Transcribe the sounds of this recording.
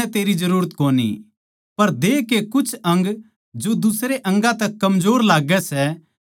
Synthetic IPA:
ɛt̪eːɾid͡ʒɐɾuːɾət̪koːnḭ | pɐɾd̪eːkekʊt͡ʃʰɐ̃ŋɡ | d͡ʒod̪ʊsɾeʔɐ̃ŋɡãt̪ɛkːɐmd͡ʒoːɾlaːɡɛsɛ

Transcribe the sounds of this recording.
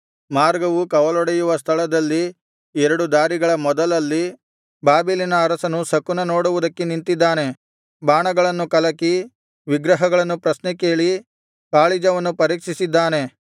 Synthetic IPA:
maːɾɡɐʋukɐʋɐlɔɽɐjuʋɐst̪ʰɐlɐd̪ɐlːi | ɛɾɐɽud̪aːɾiɡɐɭɐmɔd̪ɐlɐlːi | baːbilinɐːɾɐsɐnusɐkːunɐnoːɽuʋud̪ɐkːenint̪id̪ːaːne̞ | baːɳɐɡɐɭɐnːukɐlɐkːi | ʋiɡɾɐɦɐɡɐɭɐnːupɾɐsnɛke̞ːɭi | kaːɭid͡ʒɐʋɐnːupɐɾiːkʂisid̪ːaːne̞

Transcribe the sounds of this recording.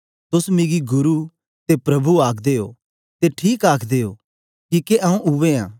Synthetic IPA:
t̪ʊsmɪ̃ɡiɡʊɾu | t̪epɾɐbʱuaːkʰd̪eːo̰ː | t̪eʈʰiːkaːkʰd̪eːo̰ː | kiːkeʔɐ̃ũʔʊʋeã̰ː

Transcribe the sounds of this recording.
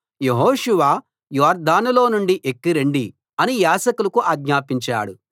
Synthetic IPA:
jeɦoːʂuʋaː | jɔːɾd̪ʱaːnulo̞ːnuɳɖiʔekːiɾeɳɖi | ɐnijaːsɐkulɐkuʔaːɡɲaːpiɲt͡ʃa̰ːɽu

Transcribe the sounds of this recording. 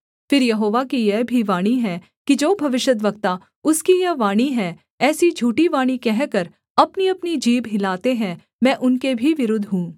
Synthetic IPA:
fɪɾjɐɦoːʋakijɛbʱiʋaːɽ̃iɦɛ | kid͡ʒoːbʱɐʋɪʃjət̪̬ʋɐkt̪a | ʊskijɐʋaːɽ̃iɦɛ̃ | ɛːsid͡ʒʱuːʈiʋaːɽ̃ikɛɦkəɾ | ɐpniɐpnid͡ʒiːbɦɪlaːt̪eɦɛ̃ | mɛ̃ːʔʊnkebʱiʋɪɾʊd̪ʱɦũː

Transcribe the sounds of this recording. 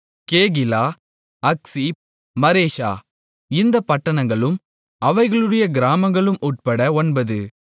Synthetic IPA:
keːɣɪlaː | ɐksi | mɐɾeːʂa̰ː | ɪnd̪ɐpɐʈːɐɳɐŋɡɐɭɯm | ɐʋɐɪɣɐɭɯɽɐjɐɡɪɾaːmɐŋɡɐɭɯmʔuʈ̚pɐɽɐɔnbɐðɯ

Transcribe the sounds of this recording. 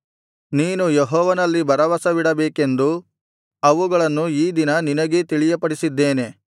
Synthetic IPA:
niːnujeɦɔːʋɐnɐlːibɐɾɐʋɐsɐʋiɽɐbeːke̞nd̪u | ɐʋuɡɐɭɐnːuiːd̪inɐninɐɡet̪iɭijɐpɐɽisid̪ːe̞ːne̞

